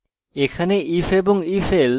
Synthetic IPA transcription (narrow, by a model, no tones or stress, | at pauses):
ekʰaneʔifeboŋifel